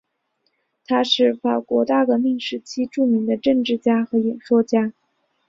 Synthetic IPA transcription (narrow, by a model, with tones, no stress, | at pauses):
t̪ʰa˥ʂɻ̩˥˩fa˨˩kwɔ˧˥t̪a˥˩ɡə˧mi˥˩ŋʂɻ̩˧˥t͡ɕʰi˥ʈ͡ʂu˥˩mi˧˥ŋd̪ə˧ʈ͡ʂɤ˥˧ŋʈ͡ʂɻ̩˥˩t͡ɕja˥xɤ˧˥jɛ˨˩nʂwɔ˥t͡ɕja˥